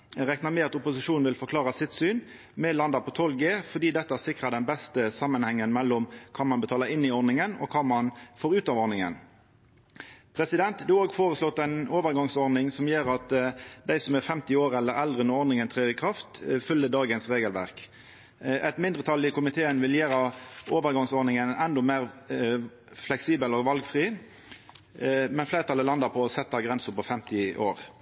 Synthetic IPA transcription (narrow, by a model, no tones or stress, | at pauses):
ʁɛknɑmɛɑt̪ʊpʊsɪʃuːn̩ʋɪlfɔʁkʰlɑːʁɑsɪt̪syːn | mɛlɑnd̪ɑpʰɔt̪ʰɔlɡeːfɔʁd̪iːd̪ɛt̪ːəæsɪkʁɑd̪ɛnbɛst̪əsɑmːənhɛŋːənmɛlːʊmkʰɑːmɑnbət̪ʰɑːləɾɪnːɪɔɾnɪŋənɔ̰kʰɑːmɑnfoːɾʉːt̪ɑʋɔɾnɪŋə̰n | pʰɾɛsɪd̪ɛnt̪d̪ʉoːɡfoːʁəslɔt̪ːɛɪnoːʋəɾɡɑŋsɔɾnɪŋsɔmjeːɾɑt̪d̪æɪsɔmæfɛmt̪ɪoːʁɛlːəɾɛld̪ʁənɔɔɾd̪nɪŋənt̪ʰʁeːɪkʰʁɑft̪fʉlːəd̪ɑːɡənsʁeːɡəlʋæʁk | ʔɛt̪mɪnd̪ʁət̪ʰɑlːɪkʊmɪt̪ʰeːənʋɪljeːɾɑoːʋəɾɡɑŋsɔɾnɪŋənɛnd̪ɔmeːʁ | flɛksiːbəlɔɡʋɑlɡfʁiː | mɛnfleɪːʁət̪ʰɑlːəlɑnd̪əpʰɔɔsɛt̪ːɑɡʁɛnsəpɔfɛmt̪ɪʔo̰ːɾ